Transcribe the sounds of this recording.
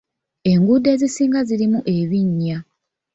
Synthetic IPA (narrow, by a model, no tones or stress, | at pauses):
e̞ŋɡude̞ːzisiːŋɡazilimuʔe̞βiɲːa